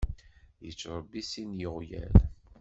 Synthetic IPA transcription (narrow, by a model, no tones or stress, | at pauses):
jə̰t͡sːɾˤɑbːisinjəʁjæ̰l